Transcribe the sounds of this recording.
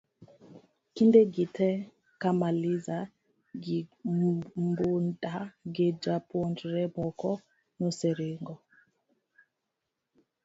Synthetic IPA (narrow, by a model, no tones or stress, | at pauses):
kindeɡitʰɛ | kamaliza | ɡi | mbundaɡed͡ʒapwɔnd͡ʒɾɛbɔkɔ | nɔsɛɾeŋɡɔ